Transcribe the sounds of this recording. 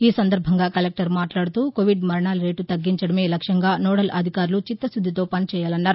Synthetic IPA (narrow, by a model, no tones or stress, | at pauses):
iːsɐnd̪ɐɾbʱɐŋɡaːkɐlek̚ʈɐɾmaːʈlaːɽut̪uːkoʋiɖmɐɾɐɳaːlɾe̞ːʈut̪ɐɡːiɲt͡ʃɐɽɐme̞ːlɐkʂjɐŋɡaːnoːɽɐlʔɐ̰d̪ʱikaːɾlut͡ʃit̪ːɐsud̪ʱːit̪o̞ːpɐnit͡ʃɛːjaːlɐnːaːɾu